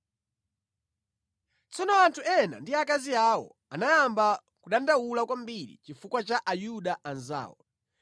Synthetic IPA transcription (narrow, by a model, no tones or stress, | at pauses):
t͡sɔnɔantʰuɛna̰ndiakaziawɔ̰ | anajamba | kuɗandaulakwambiɾḭt͡ʃifukwat͡ʃaʔajuɗaʔanza̰ːwɔ̰